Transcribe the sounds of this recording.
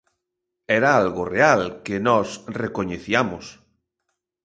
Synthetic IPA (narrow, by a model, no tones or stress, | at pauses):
ɛɾaalɣorealkenɔsrekoɲeθiamʊs